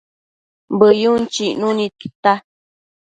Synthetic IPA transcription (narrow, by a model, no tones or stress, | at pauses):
mbəjunt͡ʃiʔnũnĩt̪ɨ̥t̪a